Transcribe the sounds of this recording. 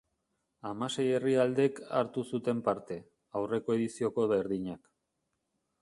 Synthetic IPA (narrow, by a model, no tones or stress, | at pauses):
amase̞je̞riald̪e̞ka̰ɾt̪usut̪e̞mpaɾt̪e̞ | awre̞ko̞e̞ðisio̞ko̞βe̞ɾðiɲak